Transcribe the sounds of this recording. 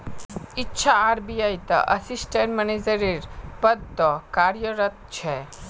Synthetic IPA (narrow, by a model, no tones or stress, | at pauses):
itːʃʰaːɾbijajt̪ə̰ʔəsisʈeɳʈmɛned͡ʒəɾiɾpəd̪̚t̪okaɾjəɾət̪̚t͡ʃʰe